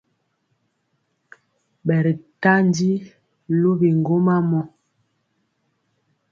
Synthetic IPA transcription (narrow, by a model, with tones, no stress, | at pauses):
bɛ˨ɾi˨ta˦n˦di˦ | lu˦bi˨ŋɡo˦ma˦mɔ˦